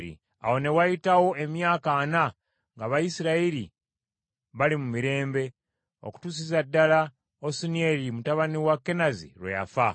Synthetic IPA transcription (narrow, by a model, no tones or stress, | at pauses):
ɾḭ | a̰wo̞ne̞wajitawo̞e̞mjaːkana | ŋɡaβajisiɾaiɾi | βalimumiɾe̞ːmbe̞ | o̞̰ku̥tusizadːala | osinieɾimutaβaniwakːe̞nazḭɾweja̰fa